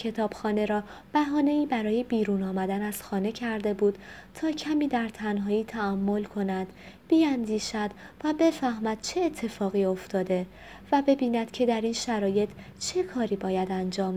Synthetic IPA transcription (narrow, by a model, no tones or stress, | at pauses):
e̞t̪ʰɒːb̥xɒːne̞ɾɒːb̥æɦɒːne̞iːbæɾɒːje̞biːɾuːnɒːmæd̪ænæz̥xɒːne̞cʰæɾd̪e̞buːd̪̥t̪ʰɒːcʰæmiːd̪æɾt̪ʰænɦɒːiːt̪ʰæːmːo̞lkʰo̞næd̪̥ | b̥iːænd̪iːʃæd̪̥ | væbe̞fæhmæd̪̥t͡ʃʰe̞ːt̪ʰːe̞fɒːɣiːo̞ft̪ʰɒːd̪e̞ | væbe̞biːnæd̪̥cʰe̞d̪æɾiːnʃæɾɒːje̞t̪ʰ | t͡ʃʰe̞kʰɒːɾiːbɒːjæd̪ænd͡ʒɒːm